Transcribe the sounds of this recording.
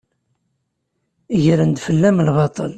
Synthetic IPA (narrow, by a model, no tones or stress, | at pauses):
iʝəɾənd̪fəlːæmlβɑt̪ˤɑl